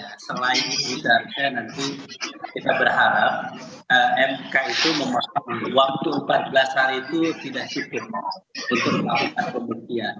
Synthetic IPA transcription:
asəlaɪnudarkaanant̪ikit̪abərɦaɾap̚ | əɛmkait̪uməmasɔŋwak̚tt̪uumpat̪̚bəlasait̪ut̪idaʔsukʊt̪̚mait̪uməmakuk̪anpəmbut̪ian

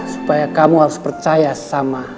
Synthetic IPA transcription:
su̥pajakamuhaɾuspərt͡ʃajasama

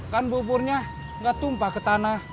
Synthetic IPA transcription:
kanbup̬urɲa | ŋɡat̪umpakət̪ana

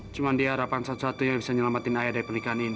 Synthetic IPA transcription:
t͡ʃumandiaɦaɾapansat̪u̥sat̪uɲabisaɲəlamat̪ɪnajadaɾipərnikaɦanini

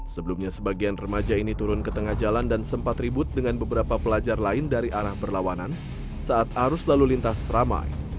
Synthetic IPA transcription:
səbəlumɲasəbaɡianrəmad͡ʒainit̪uɾʊnkət̪əŋahd͡ʒalandansəmpat̪ribʊt̪̚dəŋanbəbəɾapapəlad͡ʒarlaɪndaɾiʔaɾahbərlawanan | saat̪̚haɾʊslalulint̪asrama̰j

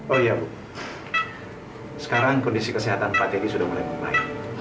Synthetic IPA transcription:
ojabuk | sə̥kaɾaŋkɔndisikəsiɦat̪anpak̪eɡisudahmulajbəla̰ḭn

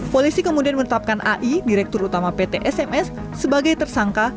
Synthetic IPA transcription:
polisikəmudianmənət̪ap̚kanʔa̰ʔidiɾɛk̚t̪ʊrut̪amapet̪eʔɛsɛmɛsː | əbaɡajt̪ərsaŋka

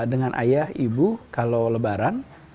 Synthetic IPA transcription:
dəŋanʔa̰jahibukalowləbaɾan

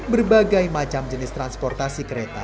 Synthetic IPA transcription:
bərbaɡajmat͡ʃamd͡ʒənɪst̪ɾanspɔrt̪asikəɾet̪a

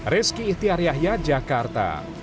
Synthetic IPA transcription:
ɾɪskiːt̪iaɾiaɦjad͡ʒakart̪a̰

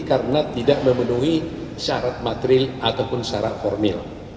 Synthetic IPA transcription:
kaɾənat̪idaʔməmənuɦiʃaɾat̪̚mat̪ɾɪlʔat̪awpʊnsaɾa̰ʔfɔrmɪl

